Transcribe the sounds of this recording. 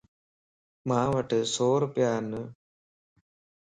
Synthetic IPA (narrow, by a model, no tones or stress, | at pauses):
maːʋɐʈːɨsoːɾpjaːnːɨ